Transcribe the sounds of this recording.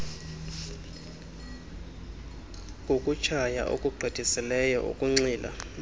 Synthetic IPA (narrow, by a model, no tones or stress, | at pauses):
kʼokʼut͡ʃʰaja̰ʔo̰kʼuɡ͡ǃʱid̥ʱisilɛjɔ̰ʔṵkʼuŋ͡ǀiːlʔa̰